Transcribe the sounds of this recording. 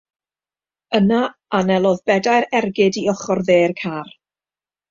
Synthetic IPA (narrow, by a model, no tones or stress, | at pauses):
əna | anɛlˠɔðbɛdajɾɛrɡɪdiɔχɔrðeːrkʰaːr